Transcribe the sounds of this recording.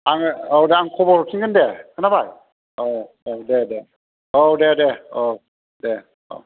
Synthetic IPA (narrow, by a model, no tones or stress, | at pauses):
aŋowdeaŋkʰɔbɔɾkʰinɡɯndekʰɯnabaj | o | odede | odedeo | de | o̰